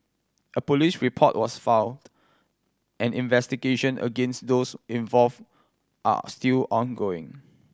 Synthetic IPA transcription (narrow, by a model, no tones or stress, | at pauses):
ʔəpɔlisɹipʰɔt̚wɔsfãwnd | ʔɛ̃nĩnvɛstiɡeʃə̃nʔə̰ɡẽnstdosĩɱvɔlv | ʔa̰stilɔ̃nɡoɪ̰̃ŋ